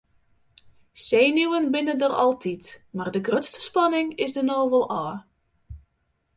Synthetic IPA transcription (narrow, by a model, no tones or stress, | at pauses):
sejnuwənbɪnəndərɑ̰lˠtʰitmaːrdəɡrøtstə̥spɑnɪŋɪzdənoːvəlˠʔaː